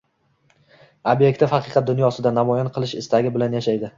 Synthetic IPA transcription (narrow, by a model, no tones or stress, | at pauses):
obje̞kʲt̪ɪfɑqʰɨqʰɑt̪̚d̪ʊnjɒsɪd̪anamɒjɒnqʰɨlˠɪʃɪst̪aɡʲɪbɪlanjaʃajd̪ɪ